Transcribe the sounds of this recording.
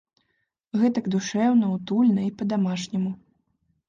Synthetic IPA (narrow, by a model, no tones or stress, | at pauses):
ɣɛt̪ɐɡd̪uʂɛwnɐwt̪ulʲnɐipɐd̪amaʂnʲɛmu